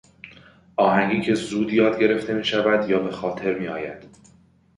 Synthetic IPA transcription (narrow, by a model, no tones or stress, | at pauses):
ʔɒːɦæŋɡiːcʰe̞zuːd̪jɒːd̪ɟe̞ɾe̞ft̪ʰe̞miːʃævæd̪jɒːbe̞xɒːt̪ʰe̞ɾmiːɒːjæ̰d̪̥